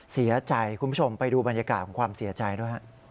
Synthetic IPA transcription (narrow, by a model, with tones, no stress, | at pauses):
si˨˩˦ɐt͡ɕa˧jkʰu˧npʰu˥t͡ɕʰo˧mpa˧jduː˧ba˧njaː˧kaː˨˩t̪̚kɔː˩˦kʰwaː˧msi˨˩˦ɐt͡ɕa˧jdu˥˩jɦa˦˥ʔ